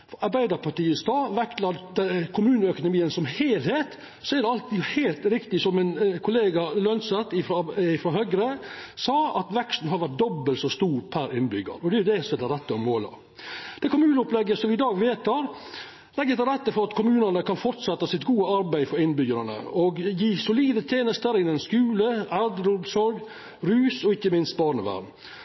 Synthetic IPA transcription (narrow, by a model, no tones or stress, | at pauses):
ɑɾbæɪd̪əɾpʰɑʈiːəst̪ɑːʋɛkt̪lɑd̪d̪ɛkʰʊmʉːnəœkʊnʊmiːənsɔmheːlheːt̪ | sɔæɾɖ̪ɛɑlt̪iheːlt̪ɾɪkt̪ɪsɔmːɪnkʰʊleːɡɑlœnsət̪ːɪfɾɪfɾɑɦœɡɾəsɑːɑt̪ʋɛkst̪n̩ɦɑɾʋæʈ̚d̪ɔbːəlt̪sɔst̪uːɾpʰæɾɪnbʏɡɑ̰ɾɔd̪ɛjʊd̪ɛsɔmæd̪ɛɾɛt̪ːəɔmːoːlɑ̰ | d̪̥ɛkʰʊmʉːnɔplɛɡːəsɔmɪd̪ɑːɡʋeːt̪ʰɑɾ | lɛɡːəd̪əɾɛt̪ːəfɔɾɑt̪kʰʊmʉːnənəkʰɑnfɔɾt̪sɛt̪ːɑsɪt̪ɡuːəɑɾbæɪfɔɾɪnbʏɡəɾɑnə̰ɔɡjiːsʊliːd̪ət̪ʰjeːnəst̪əɾɪnɛnskʉːləæɾd̪əɾʊmsɔɾɡ | ɾʉːsɔɪçːəmɪnst̪̚bɑːɾɳəʋæ̰ɾm